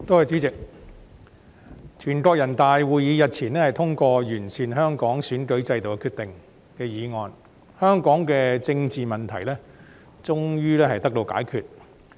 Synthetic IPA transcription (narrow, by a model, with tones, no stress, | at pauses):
t̪o˥hɐ˨jt͡syː˨˥t͡sɪ˨k̚ | t͡ʃʰyː˨˩nkɔː˧k̚jɐ˨˩nt̪aː˨jwuː˨˧jjiː˨˧jɐ˨t̚t͡sʰiː˨˩nlɛː˥hɐ˨jt̪ʰʊ˥ŋkɔː˧jyː˨˩nsʰiː˨˩nɦœː˥ŋkɔː˨˥ŋsyː˨˥nkɵ˨˥ɥt͡sɐ˧jt̪o˨wkɛ˧kʰyː˧t̪ɪ˨ŋ | kɛː˧jiː˨˧ŋɔː˨˧n | hœː˥ŋkɔː˨˥ŋkɛː˧t͡sɪ˧ŋt͡siː˨mɐ˨˩nt̪ʰɐ˨˩jlɛː˥ | t͡sʊ˥ŋjyː˥lɛː˥hɐ˨jt̪ɐ˥k̚t̪o˧wka̰ː˨˥jkʰy̰ː˨t̚